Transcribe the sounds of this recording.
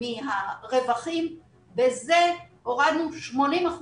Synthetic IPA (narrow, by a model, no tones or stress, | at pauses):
iɦaʁevaχim | beze | oʁad̪nuʃmo̞nimaχ